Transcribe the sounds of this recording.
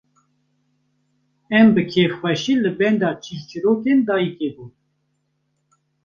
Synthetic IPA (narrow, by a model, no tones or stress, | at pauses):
ɛmbɨkʰexxwɛʃiːlɨbɛnd̪ɑːt͡ʃʰiʃt͡ʃʰɨɾoːkend̪ɑːjikeːbuː